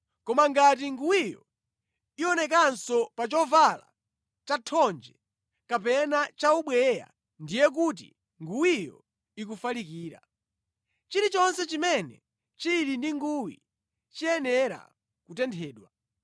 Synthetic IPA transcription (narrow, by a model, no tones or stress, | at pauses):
kɔmaŋɡat̬iŋɡuwijɔ̰ | iɔnɛk̬ansɔpat͡ʃɔvala̰ | t͡ʃatʰɔnd͡ʒɛ | kapɛnat͡ʃauɓwɛja̰ | ndijɛk̬ut̬ḭ | ŋɡuwijɔ | ik̬ufalik̬iːɾa̰ | t͡ʃiɾit͡ʃɔnsɛt͡ʃimɛnɛ | t͡ʃiɾindiŋɡuwḭ | t͡ʃiɛnɛɾa̰ | kutɛntʰɛːɗwa